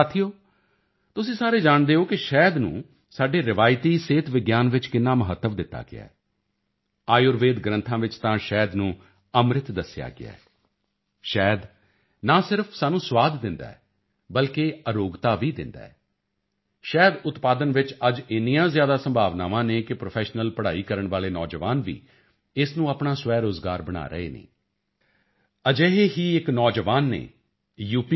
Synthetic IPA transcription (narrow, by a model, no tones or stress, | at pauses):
at̪ʰːijoː | t̪ʊsĩːsaːɾeːd͡ʒaːɳd̪eːoːkɪʃɛːd̪nṵ̃ː | saːɖeːɾɪʋaːjt̪iːseːt̪ʋɪɡjaːnʋɪt͡ʃkɪnːaːməɦət̪ːəʋd̪ɪt̪ːa̰ːɡɪ̰a̰ː | aːjʊɾʋeːd̪ɡɾə̃nt̪ʰãːʋɪt͡ʃt̪ãːʃɛːd̪nũː | əmɾɪt̪d̪əsɪja̰ːɡɪ̰a̰ː | ʃɛːd̪ | naːsɪɾəpʰsaːnũːsʋaːd̪ːɪ̃nd̪a̰ːɛː | bəlkeːəɾoːɡt̪aːʋiːd̪ɪ̰nd̪a̰ːɛ | ʃɛːd̪ʊt̪paːd̪ənʋɪt͡ʃəd͡ʒɪnijãːzjaːd̪aːsəmbʱaːʋnaːʋãːneːkɪpɾopʰɛːʃnəlpəɽaːiːkəɾəɳʋaːleːnɔːd͡ʒəʋaːnʋḭː | ɪsnũːapɳãːsʋɛːɾoːzɡaːɾbəɽ̃a̰ːɾə̰ḛːnḛ̃ː | əd͡ʒeɦeːɦiːɪknɔːd͡ʒəʋaːnːḛː | juːpi